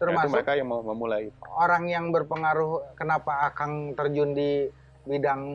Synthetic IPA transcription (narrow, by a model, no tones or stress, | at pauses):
t̪əɾmaməɾekajaŋmahməmulait̪oɾaŋjaŋbərpəŋaɾʊhkənapaːkaŋt̪ərd͡ʒundi | bidaŋ